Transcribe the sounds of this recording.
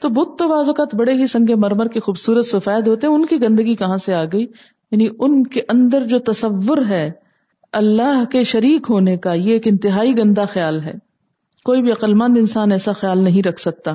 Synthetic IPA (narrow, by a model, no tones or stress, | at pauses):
t̪oːbʊt̪ːoʋaːzokaːt̪bɐɽeɦisɐ̃ŋɡemɐɾməɾkexuːbsuːɾət̪sʊfɛːd̪ɦoːt̪eɦɛ̃ʊnkiɡɐ̃nd̪əɡikɐɦãseaːɡɐiː | jaːniʊnkeʔɐ̃nd̪əɾd͡ʒoːt̪ɐsɐʋːʊɾɦɛː | ɐlːaːɦkeʃɐɾiːkɦoːnekajeeːkɪ̃nt̪ɪɦaːiɡɐ̃nd̪axjaːlɦɛ̰ː | koːibʱiɐqəlmɐ̃nd̪ɪ̃nsaːnɛːsaxjaːlnɐɦĩɾɐkʰsɐk̚t̪aː